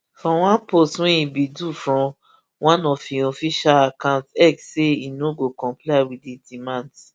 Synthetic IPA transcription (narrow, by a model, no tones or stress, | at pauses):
fɔ̃wãnpostwɛ̃ĩbidufɹɔ̃ | wãnɔfĩɔfiʃalakãʊ̃ntɛksseinoɡokɔ̃mplaɪwididimãnds